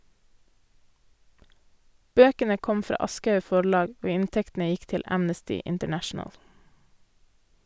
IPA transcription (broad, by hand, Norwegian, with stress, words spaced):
ˈbøːkənə ˈkɔm ˈfɾɑː ˈɑskɑʉ ˈfɔɭɑːɡ ˈoː ˈɪntɛktn̩ə ˈjɪk ˈtɪl ˈæmnəstɪ ɪntəˈɳæʃɳəl